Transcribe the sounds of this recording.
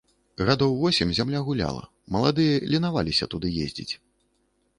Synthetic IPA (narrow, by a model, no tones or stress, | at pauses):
ɣad̪ɔwvɔsʲimʲzʲamlʲaɣulʲa̰lˠɐ̰ | mɐlˠad̪ɨjɐlʲinava̰lʲisʲɐ̰t̪ud̪ɨjḛzʲd͡zʲḭt͡sʲ